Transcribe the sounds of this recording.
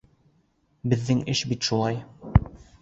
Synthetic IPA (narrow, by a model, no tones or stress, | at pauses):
bɘ̆ðːɘŋɘʃbit̪ʃulˠɑj